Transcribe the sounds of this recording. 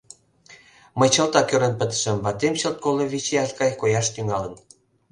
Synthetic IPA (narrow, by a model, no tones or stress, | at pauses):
məjt͡ɕə̆lt̪ɑkøɾə̆npə̆t̪ə̥ʃə̆mbɑt̪emt͡ɕə̆lt̪̚koloβit͡ɕeɑlʲkɑjkojɑʃt̪yŋɑlə̆n